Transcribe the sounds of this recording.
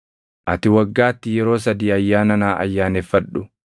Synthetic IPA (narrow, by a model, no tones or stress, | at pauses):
ʔɐt̪ɪwɐɡːaːt̪ːɪjɛɾo̞ːs̬ɐd̪iːɐjːaːnɐnaːʔɐ̰jːaːnɛfːɐᶑʊ